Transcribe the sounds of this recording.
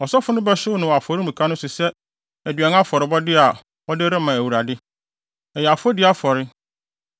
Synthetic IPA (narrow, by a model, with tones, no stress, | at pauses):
ɔ˨sɔ˦fʊ˦nʊ̃˦bɛ˦ɕʊ˦wnʊ̃˨wa˨fɔ˨ɾɪ˦mũ˨kʰa˦nʊ̃˦sʊ˨sɛ˦ | æ˨dɥɛ˨n˦a˦fɔ˨ɾɪ˨bɔ˦dɪ˦a˨ | ɔ˦dɪ˦ɾɪ̃˦mːã˨æ˨wu˨ɾa˨dɪ˦ | ɛ˨jɛ˨a˨fʊ˦ɔ˦dɪ˦a˦fɔ˨ɾɪ˦